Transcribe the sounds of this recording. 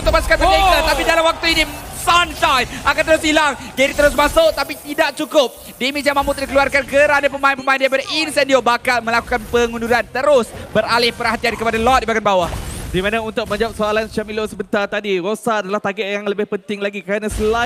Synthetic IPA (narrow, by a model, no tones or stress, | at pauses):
nt̪ʊk̚masu̥kanaek̪at̪apidalamwak̚t̪uinisanʃajnʔakant̪̬əɾʊsilaŋɡɛɾit̪əɾʊs̬mãsʊʔt̪apit̪idaʔ̚t͡ʃukʊp̚ | dɛmis̬jãmãmũt̪̚dikəluarkankəɾanapəmaɪnpəmãɪndaɾipadaʔinsɛndiobakalmə̃lakukanpəŋunduɾant̪əɾʊsbəɾalɪhpəɾhat̪iankəpadalɔt̪̚dibaɡanbawahdimanaunt̪ʊk̚mə̃ɲd͡ʒap̚soalanst͡ʃamilosəbənt̪art̪adiɾosaːdalaht̪aɡɛʔjaŋləbɪhpənt̪ɪŋlaɡikəɾanasəla